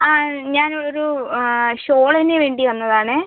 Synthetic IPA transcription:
aːɲaːnooɾu | ɕoːɭɐineʋe̞ːɳɖiʋɐnːɐðaːɳɨ

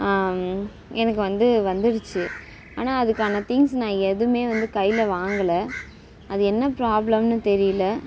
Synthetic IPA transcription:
ɛnɐkːɯʋɐnd̪ɯʋɐnd̪ɪɾɯt͡ʃːɯ | a̰ːnaːɐðɯkːaːnɐt̪ɪŋɡsnãːɛðɯmeːʋɐnd̪ɯkɐjːɪlɐʋaːŋɡɐlɐ | ɐðɯɛnːɐpɾaːblɐmnɯt̪ɛɾɪjɐlɐ

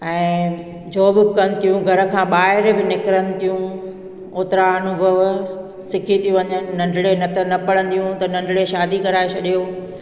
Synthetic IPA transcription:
ɛ̃ː | d͡ʑoːbɪkɐnɪ̆t̪ʰijũɡʱɐɾə̆kʰãːɓaːɦɪɾbɪnɪkɾənɪ̆t̪ʰijũ | oːt̪ɪɾaɐnʊbʱəʋ | sɪkʰit̪ʰijũʋɐɲənɪ̆ːɐ̃ɳɖʱɪɽenɐt̪ʰɐnɐpɐɭ̤ə̃nd̪ijũt̪ɐnɐ̃ɳɖʱɽeʃaːd̪ikɐɾaːet͡ɕʰɐɗijoː

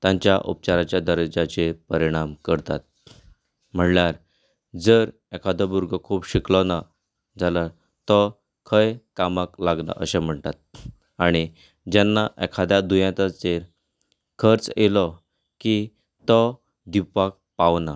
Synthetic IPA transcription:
t̪jãɲt͡ɕja̰ʔṵp̚t͡ɕaɾat͡ɕjad̪əɾd͡ʑat͡ɕepəɾiɽ̃amkəɾt̪a̰t̪̚ | m̤əɳljaɾ | d͡zəɾ | ekʰad̪ʱabuɾɡʱəkʰuːbɕiklɔna | d͡zʱala | t̪ɔ | kʰəjkamaklaɡna̰ʔə̰ɕem̤əɳt̪at̪̚ | aɽ̃i | d͡ʑanːaʔɛkʰad̪ʱjad̪ujãt̪at͡seɾ | kʰəɾt͡selɔ | ki | t̪ɔ | d̪ipak̚paʋna

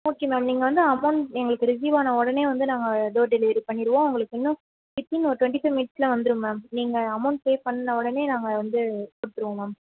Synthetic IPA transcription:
oːkːemaːmniːŋɡɐʋɐnd̪ɯɐmɐnɛŋɡɐɭɯkːɯɾɪsiːʋaːnɐɔɽɐneːʋɐnd̪ɯnaːŋɡɐd̪oːɖɪleːɾipɐɳːɪɾɯʋõːʊŋɡɐɭɯkːɪnːʊ̃ | fɪt̪ːinɔɾʈʊʋɛɳʈifɐjʋmiːʈslɐ̃ʋɐnd̪ɯɾɯmaːmniːŋɡɐɐmːɐːnpeːpɐɳːnɐɔɽɐneːnaːŋɡɐʋɐnd̪ɯkɔɽɯt̪ːɯɾɯʋõːmaːm

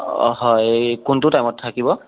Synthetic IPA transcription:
ɦɔjkunt̬ʊtajmɔtʰːakibɔ

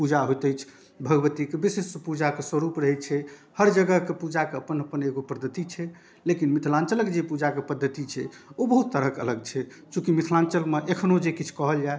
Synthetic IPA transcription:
pud͡ʒaɦojt̪əjt͡ʃʰ | bʱəɡbət̪ikebisesəpud͡ʒakesəɾupɾəɦɛt͡ʃʰɛhəɾd͡ʒəɡəkepud͡ʒakeəpənəpəneɡopəd̪ʱːət̪it͡ʃʰɛ | lekinmit̪ʰlãnt͡ʃələkd͡ʒepud͡ʒakepəd̪ʱːət̪it͡ʃʰɛ̰obəɦut̪ːəɾəkə̰ləɡ̚t͡ʃʰɛ | t͡ʃũkimit̪ʰlant͡ʃəlmeʔekʰnod͡ʒekit͡ʃʰkɔɦəljae

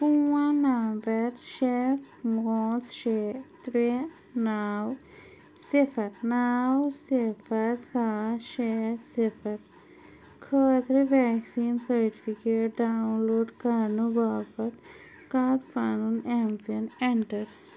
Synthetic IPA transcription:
puwanambɐɾʃeː | mɔːsʃet̪ɾe | naːw | sefɐɾnaːwsefɐɾsaːʃesefʰɐɾ | kʰəːt̪ɾeʋɛːksiːnsɐɾʈifikeːʈ̚ɖaːwnloːɖkaɾnubaːpɐt̪ | kaːɾfaːnunemsiɐneɳʈɐɾ

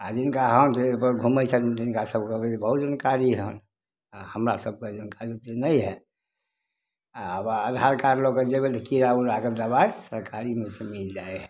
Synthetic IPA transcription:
ad͡ʒinkaɦənt̪epəɾɡʱuməjsʰənd͡ʒinkasəb̚kebebəɦut̪d͡ʒənkaɾiɦən | ahəmɾasəb̚ked͡ʒənkaɾit̪enəjɦɛ | aəbəəd̪ʱaɾkaɾloked͡ʒebet̪əkiɾauɾaked̪əbasəɾkaɾimesemild͡ʒaeɦɛ

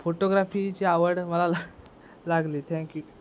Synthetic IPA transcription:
foʈoɡɾafit͡ɕiːaʋəɽməlal | laɡliːt̪ʰɛ̃ŋkju

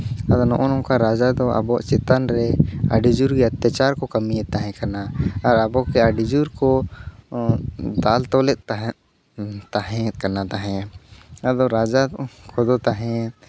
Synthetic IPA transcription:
ad̪ɔnɔʔɔnɔ̃kaɾad͡ʒad̪ɔʔa̰bɔʔt͡ʃɛt̪anɾɛa̰ɖid͡ʒuɾkiət̪jat͡ʃaɾkɔkamiɛt̪aɦɛ̃kanaːɾabɔkɛaɖid͡ʒuɾkɔ | d̪alt̪ɔlɛt̪̚ | t̪aɦɛ̃kanat̪aɦɛ̃ | ad̪ɔɾad͡ʒakʰɔd̪ɔt̪aɦɛ̃

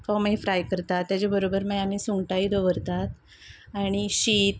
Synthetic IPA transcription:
kɔmejfɾajkəɾt̪at̪ːjat͡ɕebəɾobəɾməɡam̤iːsuŋɡʈaiːd̪oʋəɾt̪at̪ | aɽ̃iɕiːt̪

